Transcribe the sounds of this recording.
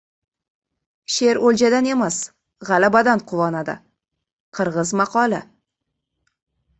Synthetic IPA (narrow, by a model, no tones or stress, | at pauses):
ʃe̞ɾold͡ʒad̪ane̞mas | ʁɑlabad̪anqʰʊvɒnad̪ɪ̰ | qʰɨɾʁɨzmɑqʰɒlɪ